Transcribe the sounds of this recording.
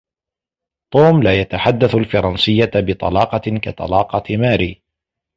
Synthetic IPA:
t̪ˤuːmlaːjat̪aħad̪ːaθalfɑɾˤɑnsɨjːabɪt̪ˤɑ̰lɑːqɑka̰t̪ˤɑ̰lɑːqɑmaːɾiː

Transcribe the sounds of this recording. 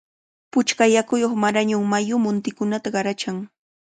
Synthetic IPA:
pʊt͡ʃkajakʊjoχmaɾaɲʊŋmajʊmʊnt̪ɪkʊnat̪aɢɑɾat͡ʃaŋ

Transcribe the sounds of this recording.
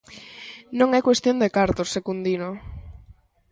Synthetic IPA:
nõŋɛkwest̪jõnd̪ekaɾt̪osːekund̪ino

